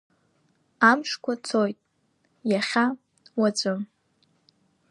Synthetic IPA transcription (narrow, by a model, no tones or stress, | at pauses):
amʂkʷʰat͡sʰojtʼ | jaχʲa | wat͡sʷʼɨm